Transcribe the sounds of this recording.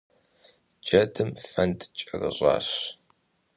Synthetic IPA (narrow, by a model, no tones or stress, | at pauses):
d͡ʒɐdʰɨmfɐntt͡ʃʼɐrə̰ʑɑ̰ːɕ